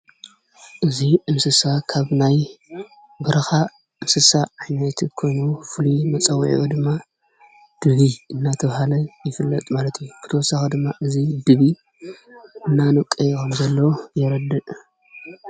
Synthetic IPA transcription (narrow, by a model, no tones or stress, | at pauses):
ʔɨziʔɨmsɨsakʰaβnaj | bɨɾɐxa | ʔɨmsɨsaʕajnɐt̪ʰkʰo̞jnufɨlumɐt͡sʼɐwːʕ̰ʔud̪ɨmːa | d̪̥ɨβiɨnːat̪ʰɐβhalɐjɪfɨlːɐt̪ʼmalɐt̪ʰijːub̥ɨt̪ʰwɔsaxɐd̪ɨmːaʔɨzid̪ɨβi | ʔɨnːanɨkʼːɐjkʰɐmzɐlːɐwjɛɾɐd̪ɨʔ